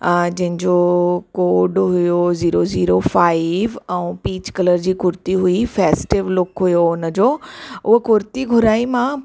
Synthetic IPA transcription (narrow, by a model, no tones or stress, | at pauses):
d͡ʑɐ̃ɦɪ̃ɲd͡ʑoːkoːɖɦʊjoziːɾoziːɾofaːɪʋɛ̃ũpiːt͡ɕkələɾd͡ʑiːkʊɾt̪iɦʊifɛːsʈɪʋlʊkɦʊjoʊnəd͡ʑoːʊɦokʊɾt̪iɡʱʊɾaːimã